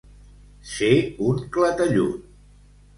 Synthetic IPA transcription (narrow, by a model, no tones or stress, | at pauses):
seuŋklət̪əʎu